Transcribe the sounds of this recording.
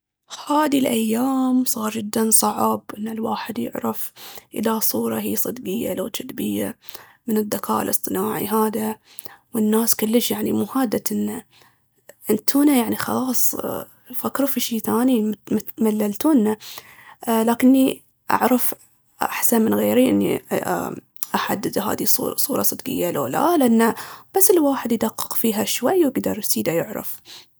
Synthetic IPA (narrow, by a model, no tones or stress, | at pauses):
haːd̪ilʔajːaːmsˤɑːɾˤd͡ʒɪd̪ːansˤɑʕbʔɪnːalwaːħɪd̪jɪ̰ʕɾˤɑfʔɪ̰lasˤuːɾˤɑhiːsˤɨd̪ɡɪjːa̰laːd͡ʒɪd̪bɪjːamɪnɪd̪ːakʰa̰ːʔlʔɨsˤt̪ˤɨnaːʕḭɦaːða | wɪnːaːskʊlːəʃjaʕnimuːhaːd̪ːat̪ʔɪnːa | ʔɪnt̪ʰuːnajaʕnixɑ̰lɑːsˤ | fakːɾufiʃiːθaːnimmat̪malːalt̪uːnːa | laːkɪnːi | ʔa̰ʕɾˤɑf | ʔa̰ħsanmɪnɣeːɾiʔɪnːḭ | ʔaħad̪ːɪd̪ɦa̰ːd̪isṵsˤuːɾˤɑsˤɨd̪ɡɪ̰jːala̰ːla̰lnːab̥asːɪlwaːħɪd̪jd̪aqːɪ̥qfiːɦaʃwajːwɪɡd̪ɑɾˤjsiːd̪ajʊʕɾˤɑ̰f